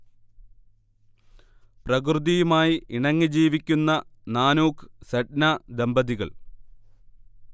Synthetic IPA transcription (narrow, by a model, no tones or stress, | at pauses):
prɐkrɨðijumaːjiʔiɳɐŋːid͡ʑiːʋikʲːunːɐnaːnuːksɐʈnad̪embɐðiɣɐ̰ɭ